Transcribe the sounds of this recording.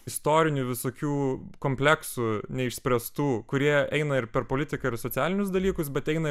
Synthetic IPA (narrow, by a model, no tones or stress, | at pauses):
ɪst̪oːɾʲɪnʲʊʋʲɪsoːkʲuːkoːmʲpʲlʲɛksunʲɛɪʃʲsʲpʲɾʲɛst̪uːkʊɾʲiɛɛɪnɐɪɾpʲɛɾpoːlʲɪt̪ʲɪkɐɪɾsoːt̪t͡s̪ʲæːlʲɪnʲʊsd̪ɐlʲiːkʊsbʲɛt̪ɛɪnɐ